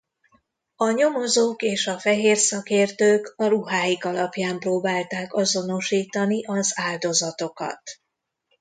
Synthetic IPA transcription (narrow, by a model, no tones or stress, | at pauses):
ɒɲo̞mo̞zoːkeːʃɒfɛɦeːrsɒkeːrt̪øːkɒɾuɦaːjikɒlɒpjaːmproːbaːlt̪aːkɒzo̞no̞ʃiːt̪ɒniʔɒzaːld̪o̞zɒt̪o̞kɒ̰t̪